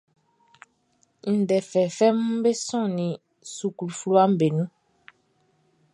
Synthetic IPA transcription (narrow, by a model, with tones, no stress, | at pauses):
n̩˨dɛ˨fɛ˨fɛ˦m˦be˦sɔ̃˦˨nĩ˨ | su˨ku˨lu˨fu˦lu˦a˦m̩˦be˨nũ˦